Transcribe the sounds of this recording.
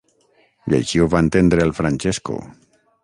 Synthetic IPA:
ʎḛjzioβaent̪end̪ɾeːlfɾanʲt͡ʃesko̰

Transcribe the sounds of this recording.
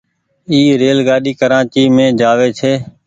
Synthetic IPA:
iːɾeːlɡaːɗiːkəɾãːt͡ʃiːmẽːd͡ʒaːʋeːt͡ʃʰeː

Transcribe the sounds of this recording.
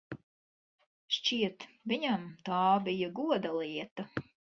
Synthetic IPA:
ʃt͡ʃiɛt̪viɲamt̪ɑːbijɐɡuɔd̪alˠiɛt̪ɐ

